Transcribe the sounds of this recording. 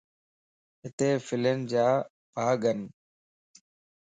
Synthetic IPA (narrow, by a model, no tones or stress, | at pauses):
ɦɪt̪eːfɪlənd͡ʑaː | bʱaːɡən